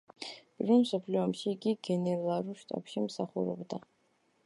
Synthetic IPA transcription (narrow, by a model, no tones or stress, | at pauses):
b̥rɨnsopʰlʲuamʃiɡʲiɡʲenerlaɾuʃtʼa̰pʰʃimsaχʷʊ̰ɾa̰bda